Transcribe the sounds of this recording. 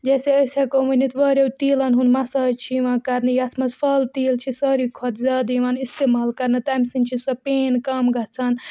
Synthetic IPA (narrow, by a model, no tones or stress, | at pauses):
d͡ʒɛːseəsakomɐnit̪ʋɐɾewt̪iːlɐnɦunmasɐt͡ʃʰiʋãkɐɾnɨjɐt̪ʰmɐspʰɐlt̪iːlt͡ʃʰisəɾikʰɔt̪zʲaːd̪iʋanist̪emaːlkɐɾnɐt̪amsint͡ʃʰisɐpeːnkɐmɡɐt͡sʰɐn